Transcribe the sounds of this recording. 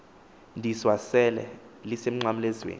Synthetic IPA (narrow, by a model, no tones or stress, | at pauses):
ndʱiswasɛlɛ̰ | lisem̩ŋ͡ǀam̩lɛzwḛːn